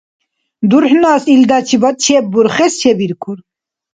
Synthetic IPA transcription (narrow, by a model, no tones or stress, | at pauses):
d̪uɾħnaːsild̪at͡ʃʰibɐt̪̚t͡ʃʰebuɾχɛst͡ʃʰɛbiɾkʰuɾ